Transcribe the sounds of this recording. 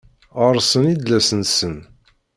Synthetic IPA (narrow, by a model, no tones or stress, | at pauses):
əɾˤsənid̪læsənsən